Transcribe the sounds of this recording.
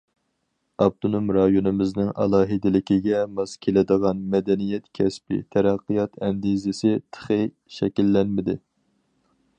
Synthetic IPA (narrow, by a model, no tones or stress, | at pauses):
ɑb̚t̪ʰonumɾɑjonɨmɪznɪŋʔɑ̰lˠɑːɦɪd̪ɪlɪkʲiɡʲɛmɑskʲʰelɪd̪əʁɑnmɛd̪ɛnijɛt̪kʲʰɛspɪ̰t̪ʰæɾæqːɨjɑt̪ʰɛnd̪izɪsɪt̪ʰə̥χɨ | ʃɛkʲilːɛnmɪd̪ɪ